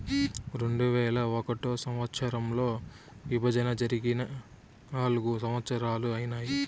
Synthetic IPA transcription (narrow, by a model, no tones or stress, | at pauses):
ɾe̞ɳɖuʋɛːlɐɔkɐʈoːsɐmʋɐt̪sɐɾɐmlo̞ː | ʋibʱɐd͡ʒɐnɐd͡ʒɐɾiɡinɐ | aːluɡusɐmɐt̪sɐɾaːluɐjinaːji